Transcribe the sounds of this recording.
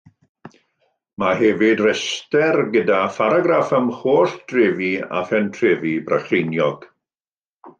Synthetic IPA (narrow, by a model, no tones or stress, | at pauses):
maɦɛvɪdrɛstɛrɡədafaɾaɡɾafəmχoːsd̥ʰreːvia̰fɛntʰreːvibraχrenjɔɡ̥